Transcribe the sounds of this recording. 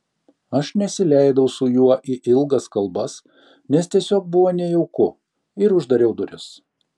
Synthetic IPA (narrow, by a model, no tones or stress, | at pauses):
ɐʃnʲɛsʲɪlʲæɪd̪ɐʊsʊjuɔʔiʔɪlˠɡɐskɐlˠbɐs | nʲɛst̪ʲiɛsʲoːk̚bʊʋoːnʲɛjɛʊkʊ | ɪɾʊʒd̪ɐɾʲɛʊd̪ʊɾʲɪs